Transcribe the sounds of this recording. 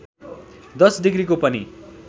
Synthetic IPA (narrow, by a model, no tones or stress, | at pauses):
d̪ʌsɖiɡɾikopʌni